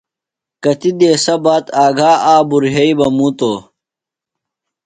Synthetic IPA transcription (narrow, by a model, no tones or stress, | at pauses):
kɐt̪id̪eːsɐbaːt̪aːɡʱaːʔaːbuɾɦɐibɐmũːt̪oː